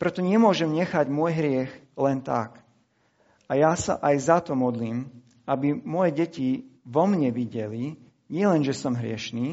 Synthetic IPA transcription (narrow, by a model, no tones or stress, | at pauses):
pɾɛt̪ɔɲɛmʊɔʒɛmɲɛxaɟmʊɔjɦɾɪɛx | lɛnt̪a̰k | ʔajasa̰ʔajzat̪ɔmɔd̪liːm | abimʊɔjɛɟɛciʋɔmɲɛʋiɟɛli | ɲɪɛlɛnʒɛsɔmɦɾɪɛ̰ʃniː